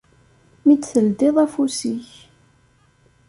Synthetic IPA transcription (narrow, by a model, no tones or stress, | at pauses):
mit͡sːθəld̪ɪðˤæfusiç